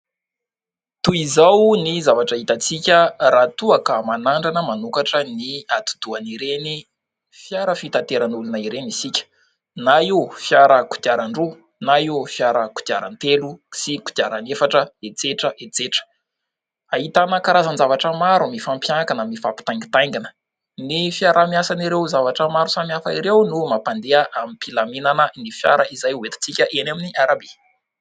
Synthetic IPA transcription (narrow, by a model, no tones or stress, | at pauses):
t̪uizawnizavaʈ͡ʂaɦit̪at͡sikʲərat̪uakəmanaɳɖ͡ʐanəmanukaʈ͡ʂəniat̪u̥d̪̥uaniɾeni | fjaɾəfit̪at̪eɾanulunaiɾenisikʲə̥ | naifjaɾəku̥d̪̥iaɾaɳɖ͡ʐu | naifjaɾəku̥d̪̥iaɾant̪elusiku̥d̪iaɾanefaʈ͡ʂəet͡seʈ͡ʂəʔet͡seʈ͡ʂə̥ | ait̪anəkaɾazənzavaʈ͡ʂəmaɾumifampjaŋakanamifapi̥t̪ajŋɡi̥t̪ajŋɡinə̥ | nifiaɾamiasaniɾewzavaʈ͡ʂəmaɾusamafaiɾewnumapand̪eəʔamipilaminanənifja̰ɾəizajuwet̪i̥t͡sikʲəʔenaminiʔaɾabi